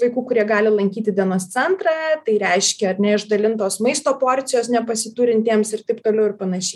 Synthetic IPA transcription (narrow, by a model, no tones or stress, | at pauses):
ʋɐɪkuːkʊɾʲiɛɡɑːlʲɪlˠɐŋʲkʲiːt̪ʲɪd̪ʲiɛnoːst̪t͡s̪ʲɛnt̪ɾɑːt̪ɐɪɾʲɛɪʃʲkʲɛɐɾʲnʲɛɪʒd̪ɐlʲɪnt̪oːsmɐɪst̪oːpoːɾʲt͡ssʲɪjoːsnʲɛpɐsʲɪt̪uːɾʲɪnʲt̪ʲeɛmsɪrt̪ɐɪpt̪oːlʲɛʊɪrpɐnɐʃʲɛɪ